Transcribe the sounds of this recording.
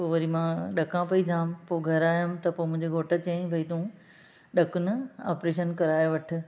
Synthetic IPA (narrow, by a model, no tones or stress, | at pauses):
poːʋɐɾimãːɗɐkãpɐid͡ʑãːmpoːɡʱɐɾaːjʊmt̪ɐpoːmʊ̃ɦɪ̃ɲd͡ʑeɡʱoːʈət͡ɕɐ̃ːĩbʱɐit̪ũ | ɗɐkʊnɪa̰ːpɾeːʃ̬ənkɐɾaːjoʋɐʈʰɪ̆